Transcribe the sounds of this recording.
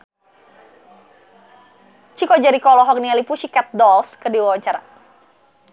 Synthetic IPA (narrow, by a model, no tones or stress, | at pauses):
t͡ʃikɔd͡ʒaɾikɔlɔɦɔk̚nialipuʃikat̪̚dɔlskədiwawaɲt͡ʃaɾa̰